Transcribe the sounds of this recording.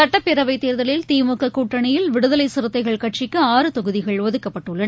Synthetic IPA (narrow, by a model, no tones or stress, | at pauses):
ɐʈːɐpːɪɾɐʋɐɪt̪ːeːɾðɐɭɪlt̪iːmukːɐkːuːʈːɐɳɐjɪlʋɪɽɯðɐlɐɪsɪɾɯt̪ːɐɪɣɐɭkɐʈ̚t͡ʃɪkːɯaːɾɯt̪ɔɣɯðɪɣɐɭʋɐðɯkːɐpːɐʈːɯɭːɐ